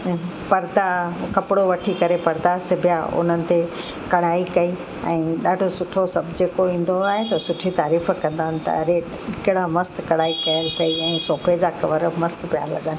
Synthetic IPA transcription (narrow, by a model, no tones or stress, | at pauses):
pɐɾd̪akɐpɽoʋɐʈʰikɐɾepɐɾd̪asɪbʱjaʊ̰n̤ənɪ̆t̪e | kɐɽ̤aːikɐi | ɛ̃ːɗaːɖʱosʊʈʰosɐbʱd͡ʑeːkoĩːn̆d̪oaːɦet̪ɐsʊʈʰit̪aːɾiːf̆kɐ̃nd̪aːɦənɪ̆t̪ɐ̰ɐɾe | ɪkɪɽamɐst̪kɐɽaːikɐjəlt̪ʰɐiɛ̃ːsoːpʰed͡ʑakɐʋəɾmɐst̪pija̰lɐ̰ɠənɪ̆